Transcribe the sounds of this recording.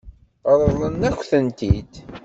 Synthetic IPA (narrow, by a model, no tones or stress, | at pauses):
ɾˤəðˤənːæçʷθənt̪id̪